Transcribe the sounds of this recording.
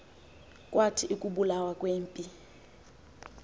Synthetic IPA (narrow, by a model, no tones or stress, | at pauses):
kʼwatʰiʔikʼuɓulawakʼweːmpʼi